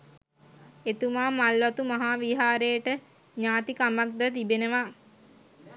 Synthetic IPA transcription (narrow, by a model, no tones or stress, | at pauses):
et̪umaːmalʋat̪umaɦaːʋiɦaːɾejəʈə | ɲaːt̪ikamak̚d̪ət̪ibenəʋa